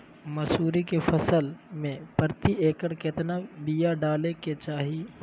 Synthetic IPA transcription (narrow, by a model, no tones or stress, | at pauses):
mɐsuːɾikefɐsəlmẽpɐɾt̪ieːkəɽkɪt̪nabijaɖaːleket͡ʃaːɦi